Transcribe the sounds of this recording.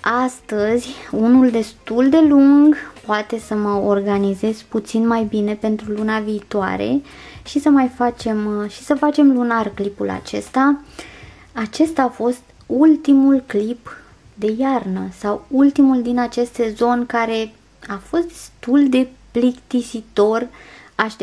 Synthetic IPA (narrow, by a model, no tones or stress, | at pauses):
ast̪əzʲunuld̪e̞st̪uld̪e̞luŋɡpoat̪e̞səməorɡanize̞z̥put̪sinmajbine̞pe̞nt̪ɾulunaviːt̪oa̰ɾe̞̰ | ʃisəmajfat͡ʃe̞mʃi̥səfat͡ʃe̞mlunarklipula̰t͡ʃe̞st̪a | at͡ʃe̞st̪afo̞st̪ | ult̪imulklip | d̪e̞jarnəsawult̪imuld̪inat͡ʃe̞st̪ezo̞nʲkaɾe̞ | afo̞st̪̚d̪̥est̪uld̪e̞plikt̪isit̪o̞r | aʃ